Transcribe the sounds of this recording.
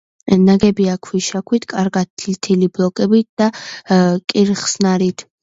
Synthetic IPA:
naɡɛbiakʰwiʃakʰwit̪ʰkʼaɾɡat̪̚ʰːilt̪ʰiliblˠɔkʼɛbit̪̚d̪̥a | kʼiɾχsnaɾit̪ʰ

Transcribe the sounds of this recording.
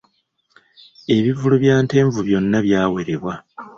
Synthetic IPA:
e̞βivuluβjaːnte̞ːɱvuβjo̞nːaβjaːwe̞ɾe̞βwa

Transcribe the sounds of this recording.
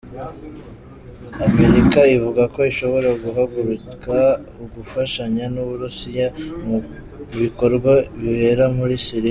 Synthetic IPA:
ameɾikaivuɡako̞iʃo̞βo̞ɾaɡuɦaɡuɾukauɡufaʃaɲanuβuɾusijamu | βiko̞ɾɡwaβihe̞ɾamuɾisiɾi

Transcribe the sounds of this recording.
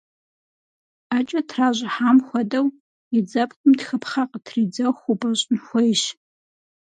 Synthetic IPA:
aːt͡ʃʼɐtʰraːʒʷɪħaːmxʷɔdɐw | id͡zɐpkʷʼʊmtxɨpʰχaqʼətʰriːd͡zɐwxʷʊbɐɕʼnxʷɔjʃ

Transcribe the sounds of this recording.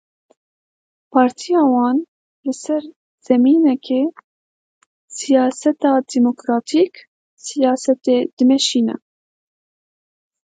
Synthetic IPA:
pʰɑːɾt̪ʰijɑːwɑːn | lɨsɛɾ | z̥ɛmiːnɛkʰeː | sijɑːsɛt̪ɑːd̪imokɾɑːt̪ʰiːk | sijɑːsɛt̪eːd̪̥ɨmɛʃiːnɛ̰

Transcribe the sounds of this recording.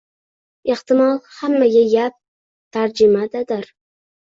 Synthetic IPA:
eht̪ɪmɒlˠhamːaɡʲajap̚ | t̪ʰaɾd͡ʒɪmad̪ad̪aɾ

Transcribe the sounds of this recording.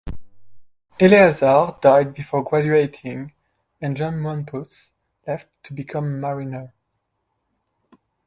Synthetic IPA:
ɛliazaɹdajd̚bifɔɹɡɹad͡ʒʉeɪtʰɪ̃ŋ | ɛ̃nd͡ʒɑ̃nmɔ̃npʰus | lɛftʰːubikʰʌ̃mːaɹinə˞

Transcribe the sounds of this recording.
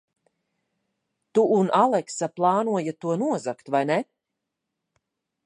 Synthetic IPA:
t̪uʔːnʔalˠɛksaplˠɑːnuɔjat̪uɔnuɔzakt̪vajnɛ

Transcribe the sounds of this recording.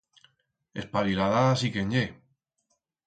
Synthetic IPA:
espaðilaðaðasikeɲɟe

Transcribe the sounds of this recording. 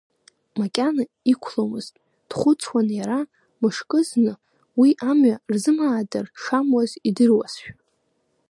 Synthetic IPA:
makʲʼana | ikʷʰlomɨz̥tʼ | d̥χʷʊt͡sʰwanjaɾa | mɨʂkʼɨznɨ | wiʔamɥarzɨmaːdarʂamwazidɨrwasʃᶣ

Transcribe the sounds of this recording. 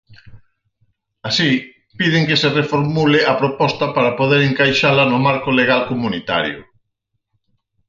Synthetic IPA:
asi | pið̞ɪŋkeserefoɾmuleapɾopɔst̪ɐpaɾapoð̞eɾeŋkajʃalɐnʊmaɾkʊleɣ̞alkomunit̪a̰ɾjʊ̰

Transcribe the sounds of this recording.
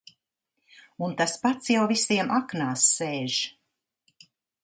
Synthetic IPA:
unt̪aspat̪sjawvisiɛmʔaknaːsːeːʒ

